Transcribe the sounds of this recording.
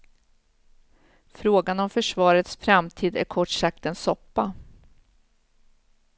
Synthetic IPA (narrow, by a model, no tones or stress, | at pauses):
fɾoːɡanɔmfœʂvɑːɾət̪sfɾamt̪ʰiːd̪æ̰ɾkʰɔʈʂak̚t̪ɛnsɔpːa